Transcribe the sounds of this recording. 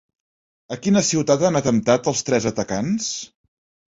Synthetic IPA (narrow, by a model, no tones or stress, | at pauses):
əkinəsiwt̪at̪anət̪əmt̪at̪əlˠst̪ɾɛzət̪əkans